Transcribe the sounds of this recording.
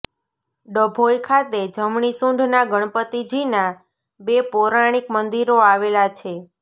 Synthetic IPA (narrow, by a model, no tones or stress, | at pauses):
ɖəbʱojkʰat̪ed͡ʒəmɳisũɳɖʱnaɡəɳ̃pət̪id͡ʒina | bepoɾaɽ̃ikmənd̪iɾoaʋelat͡ʃʰe